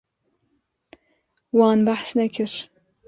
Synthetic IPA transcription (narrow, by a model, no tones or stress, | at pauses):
wɑːnbaħsnɐkʰɪɾ